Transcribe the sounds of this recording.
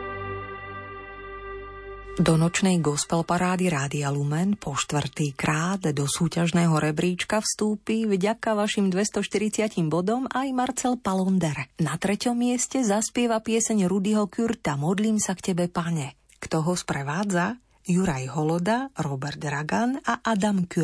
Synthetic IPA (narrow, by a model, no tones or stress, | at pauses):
d̪ɔnɔt͡ʃnɛjɡɔspɛlpaɾaːd̪iɾaːd̪ialumɛnpʰɔʃt̪ʋr̩t̪iːkɾaːd̪d̪ɔsuːcaʒnɛːɦɔɾɛbɾiːt͡ʃkafst̪uːpivɟakaʋaʃimd̪ʋɛst̪ɔʃt̪iɾit͡sɪacimbɔd̪ɔmajmaɾt͡sɛlpalɔnd̪ɛɾnat̪ɾɛcɔmːɪɛscɛzaspɪɛʋapɪɛsɛɲɾud̪iɦɔkuɾt̪amɔd̪liːmsakcɛbɛpaɲɛ | kt̪ɔɦɔspɾɛʋaːd͡za | juɾajɦɔlɔd̪aɾɔbɛɾd̪ɾaɡanaʔad̪amky